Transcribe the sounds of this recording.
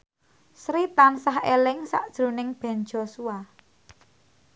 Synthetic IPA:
sɾit̪ansaɦelɪŋsa̰ʔd̥ʒ̥ɾṳnɪŋb̥ɛ̤n̥d͡ʒ̥o̤sua

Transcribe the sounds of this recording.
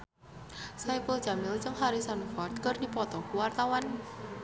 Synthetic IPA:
sajpəld͡ʒ̥amɪlt͡ʃəŋhaɾisanfɔrt̪̚kərdipɔt̪ɔkuwart̪awan

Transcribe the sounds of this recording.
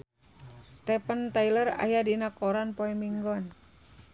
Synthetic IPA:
st̪ɛpənt̪ailəra̰jadinakɔɾanpoɛmiŋɡɔn

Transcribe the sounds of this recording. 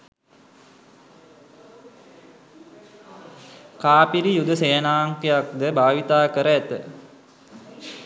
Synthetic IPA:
kaːpiɾijud̪əseːnaːŋkejak̚d̪əbʱaːʋit̪aːkəɾəæt̪ə

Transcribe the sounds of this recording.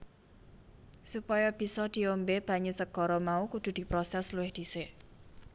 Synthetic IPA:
supɔjɔb̥i̤sɔd̪̥i̤ombeb̥a̤ɲusəɡ̥ɔ̤ɾɔmaukud̪̥ṳd̪̥i̤pɾɔsɛsluwɪhd̪̥i̤se

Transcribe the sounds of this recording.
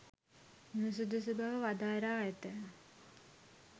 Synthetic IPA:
nus̬ud̪usubʱaʋəʋad̪aːɾaːet̪ə

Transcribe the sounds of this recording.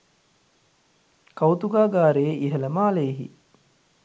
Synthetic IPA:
kawt̪uɡaːɡaːɾeʔiɦələmaːleɦḭ

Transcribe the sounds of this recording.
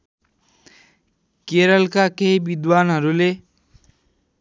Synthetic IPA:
keɾʌlkakeɦibid̪wanɦʌɾule

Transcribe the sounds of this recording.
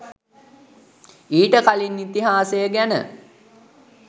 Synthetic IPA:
iːʈəkalinːit̪iɦaːsejəɡænə̰

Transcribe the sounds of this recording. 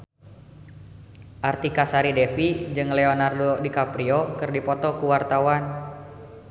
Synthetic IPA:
ʔart̪ikasaɾidɛfid͡ʒɨŋlɛɔnardodikapɾiɔkɨrdipɔt̪ɔkuwart̪awan

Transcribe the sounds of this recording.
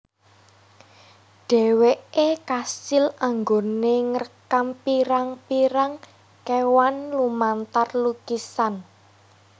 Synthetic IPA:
ɖ̥ɛ̤weekasilaŋɡoneŋərkampiɾaŋpiɾaŋ | kewanlumant̪arlukisan

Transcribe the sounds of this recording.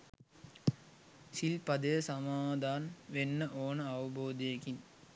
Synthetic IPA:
silpɐd̪əjəsɐmaːd̪ʱaːnʋenːəʔoːnəɐʋɐboːd̪ejekin

